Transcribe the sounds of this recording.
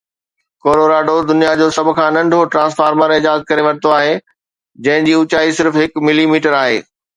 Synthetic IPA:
koːɾoːɾaːɖod̪ʊnijad͡ʑoːsɐbʱʊ̆kʰãːnɐ̃ɳɖʱoʈɾãːsfaːɾməɾɪd͡ʑaːzət̪̚kɐɾeʋɐɽ̤t̪oaːɦeː | d͡ʑɐ̃ɦɪ̃d͡ʑiːʊt͡ɕaːisɪɾfɦɪkmɪlimiːʈəɾaːɦḛː

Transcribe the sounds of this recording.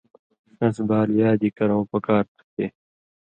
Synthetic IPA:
nɐs̬baːljaːd̪ikɐɾõwpɐkaːɾt̪ʰu̥t̪eː

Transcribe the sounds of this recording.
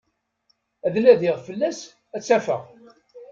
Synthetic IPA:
æðlæðɪʁfəlːæs | æt͡sːæfə̰ʁ

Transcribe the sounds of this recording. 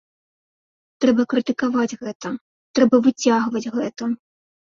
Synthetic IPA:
t̪ɾɛbɐkɾɨt̪ɨkavad͡zʲɣɛt̪ɐ | t̪ɾɛbɐvɨt͡sʲaɣvɐd͡zʲɣɛt̪ɐ

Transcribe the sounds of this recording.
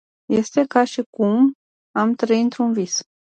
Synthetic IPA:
je̞st̪e̞kaʃikum | amt̪ɾəiɨnt̪ɾunvis

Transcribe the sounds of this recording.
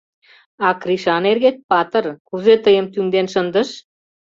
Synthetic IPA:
akɾiʃaneɾɡet̪̚ʲpat̪əɾkuzet̪əjəmt̪yŋd̪enʃənd̪əʃ

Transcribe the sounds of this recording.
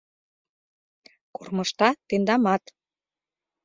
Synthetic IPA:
kormɤʃt̪ɑt̪end̪ɑmɑt̪

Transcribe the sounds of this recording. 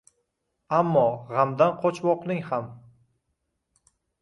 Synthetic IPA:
amːɒʁamd̪anqʰɒt͡ʃʰwɒqlˠɪŋham

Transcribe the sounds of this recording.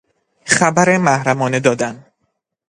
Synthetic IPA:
xæbæɾemæhɾæmɒːne̞d̪ɒːd̪æn

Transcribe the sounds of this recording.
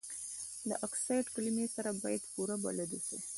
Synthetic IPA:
d̪ə̰ʔaksajʈklimesaɾabɑjad̪puɾaba̰lad̪uʃḭ

